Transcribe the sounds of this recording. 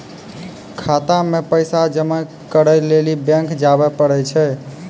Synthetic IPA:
kʰat̪amepəjsad͡ʒəmə | kəɾəjlelibɛ̃ŋkd͡ʒabɛpəɽɛt͡ʃʰɛ

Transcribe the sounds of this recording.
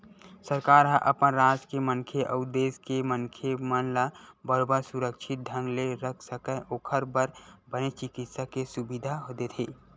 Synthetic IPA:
səɾkaːɾɦəʔəpənɾad͡ʒkemənkʰeʔəʊd̪eːskemənkʰemənlabəɾobəɾsuɾəkʃʰɪt̪̚d̪ʱə̃ŋɡleɾəkʰsəkəʔokʰəɾbəɾbənet͡ʃɪkɪt̪sakesubid̪ʱaɦot̪et̪ʰeː

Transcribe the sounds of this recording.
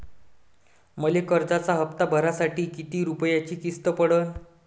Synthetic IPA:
məlekəɾd͡zat͡saɦəpt̪abʱəɾasaʈiːkit̪iːɾupəjat͡ɕiːkist̪əpəɽən

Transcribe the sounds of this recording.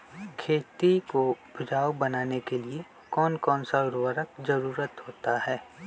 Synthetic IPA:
kʰeːt̪ikobʱʊd͡ʒaːwbɐnaːnekelie | kɔːnkɔːnsaʊɾwəɾək̚zɐɾuːɾət̪ɦoːt̪aɦɛː

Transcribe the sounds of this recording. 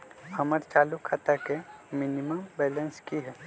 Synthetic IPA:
hɐməɾt͡ʃaːlukʰːat̪akemɪnɪməmbɛːlə̃nskiɦɛː

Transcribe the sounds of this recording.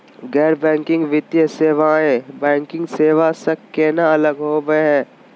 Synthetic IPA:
ɡɛːɾbɛ̃ːŋkɪ̃ŋɡʋɪt̪jəseːʋaːẽbɛ̃ːŋkɪ̃ŋɡseːʋasɐkkeːnaɐləɡɦoːʋeɦɛ̃ː

